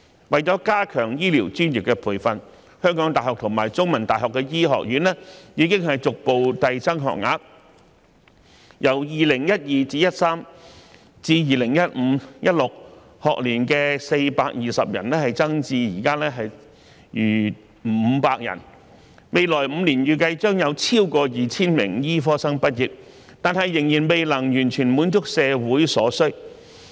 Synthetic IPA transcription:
wɐ˨jt͡sɔː˨˥kaː˥kʰœː˨˩ŋjiː˥liː˨˩wt͡ʃyː˥nji˨kːɛː˧pʰuː˨˩jfɐ˨n | hœː˥ŋkɔː˨˥ŋt̪aː˨jhɔː˨k̚t̪ʰʊ˨˩ŋmaː˨˩jt͡sʊ˥ŋmɐ˨˩nt̪aː˨jɦɔː˨˩kːɛ˧jiː˥ɦɔ̰ː˨k̚jyː˨˥nlɛː˥jiː˨˧kɪ˥ŋɦɐ˨jt͡sʊ˨k̚po˨wt̪ɐ˨jt͡sɐ˥ŋɦɔ̰ː˨k̚ŋa̰ː˨˧k̚ | jɐ˨˩wjiː˨lɪ˨˩ŋjɐ˥t̚jiː˨t͡siː˧˥jɐ˥t̚saː˥m | t͡siː˧jiː˨lɪ˨˩ŋjɐ˥t̚m̩˨˧jɐ˥t̚lʊ˨k̚ | hɔː˨k̚liː˨˩nkɛː˧se˧jpaː˧k̚jiː˨˩sɐ˨p̚jɐ̰˨˩nlɛː˥hɐ˨jt͡sɐ˥ŋt͡siː˧jiː˨˩kaː˥lɛː˥ɦɐ˨j | jyː˨˩ | m̩˨˩˧m̩˧˥paː˧k̚jɐ̰˨˩n | me˨˧jlɔː˨˩jm̩ː˨˧liː˨˩njyː˨˧kɐ˧jt͡ʃœː˥ŋjɐ˨˧wt͡sʰiː˥wkɔː˧jiː˨˩t͡sʰiː˥nmɪ˨˩ŋjiː˥fɔː˥sɐ˥ŋpɐ˥t̚jiː˨p̚ | t̪aː˨nhɐ˨jːɪ˨˩ŋjiː˨˩nme˨jlɐ˨˩ŋjyː˨˩nt͡ʃʰyː˨˩nmuː˨˥nt͡sʊ˥k̚sɛː˨˧wuː˨˥jsɔː˨˥sɵ˥

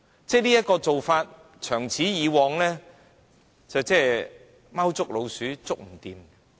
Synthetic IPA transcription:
t͡sɛː˥niː˥jɐ˥t̚kɔː˧t͡so˨wfaː˧t̚ | t͡ʃʰœː˨˩ŋt͡sʰiː˨˥jiː˨˧wɔː˨˧ŋlɛ˥ | t͡sɐ˨wt͡sɛː˥˩ | ma˥wt͡sʊ˥k̚lo˨˧wsyː˨˥t͡sʊ˥k̚m̩˨˩t̪iː˨m

